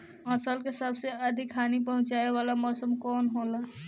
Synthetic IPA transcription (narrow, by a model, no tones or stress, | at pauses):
ãːsəlkesəbseəd̪ʱɪkʰaːnipəɦʊ̃t͡ʃaːeʋaːlamɔːsəmkɔːnɦola